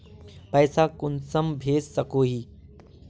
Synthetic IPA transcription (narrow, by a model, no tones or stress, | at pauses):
pɛːsakʊnsəmbʱeːssɐkoːɦiː